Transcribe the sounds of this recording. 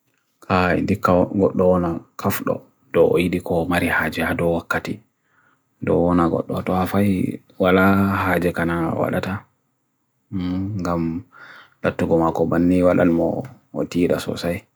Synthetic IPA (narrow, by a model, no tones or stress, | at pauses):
kʰaḭdikːaɡɔɗːɔwɔnakʰafɗɔ̰ | dɔʔɔ̰jiɗikʰɔmaɾihaːd͡ʒɛhadɔwakːati | dɔwɔnaɡɔ̰ɗːɔtɔafaj | walahaːd͡ʒɛkanawa̰ɗa̰ta | ŋɡam | latːuɡɔmakɔbanːiwaɗa̰nmɔ̰ | o̰tiɗasɔ̰saj